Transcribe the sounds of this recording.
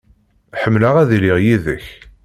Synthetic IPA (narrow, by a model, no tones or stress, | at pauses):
ħəmːlaʁæðlɪʁjiðəç